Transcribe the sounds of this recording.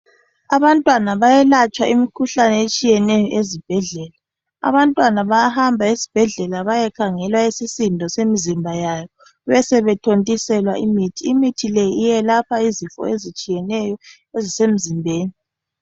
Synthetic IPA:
aβantʼwanaβajɛlat͡ʃʼwaʔimikʰuɬanɛet͡ʃʼijɛnɛjɔʔezib̥ʱɛɮɛːla | a̰βantʼwanaβajahambʱaisi̥b̥ʱɛɮɛlaβajɛkʰaŋɛlwaesisindʱɔsemizimbʱajajɔ | βɛsɛβɛtʰontʼisɛlwaʔimitʰiːmitʰilejiijɛlapʰaizifɔ̰ezit͡ʃʼijɛnɛjɔ | ezisem̩zimbʱeːni

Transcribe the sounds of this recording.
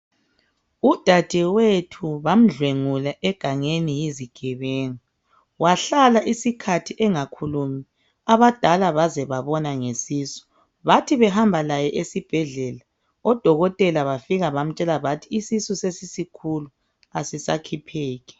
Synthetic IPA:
ud̥ʱad̥ʱɛwetʰuβam̩ɮweŋulaʔɛɡ̥ʱaŋenijiziɡ̥ʱɛβɛːŋa | waɬalaʔisikʰatʰiʔɛŋakʰulumi | aβad̥ʱalaβazɛβaβɔnaŋesiːsu̥ | βatʰiβɛɦambʱalajɛʔesib̥ʱɛɮɛla | ɔd̥ʱɔɣɔtʼɛlaβafiɣaβam̩t͡ʃʼɛlaβatʰiːsisusesisikʰulu | asisa̰kʰipʰeːɣɛ̥

